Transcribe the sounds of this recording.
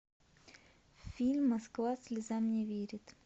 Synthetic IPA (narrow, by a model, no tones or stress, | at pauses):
fʲilʲmːɐskvasʲlʲɪzamnʲɛvʲeɾʲɪt̪